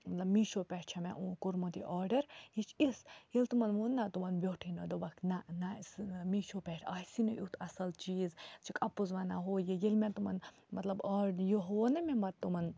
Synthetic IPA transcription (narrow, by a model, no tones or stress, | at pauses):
mɐt̪lɐbmiːʃopʲɛʈʰt͡ʃʰɐmḛ̃ʔũkuɾmot̪ḭʔɔːɾɖɐɾjit͡ʃʰisjelt̪umɐnʋunːat̪umɐnbʲoːʈʰinod̪obɐkʰnɐnasmiːʃopʲɛʈʰaːsinoʔut̪ʰɐsɐlt͡ʃiːzt͡ʃʰikʼɐpːuzʋɐnaɦoːjejelmẽt̪umɐ̰n | mɐt̪lɐbɔːɖjoɦoːnɐmebɐt̪t̪ːumɐn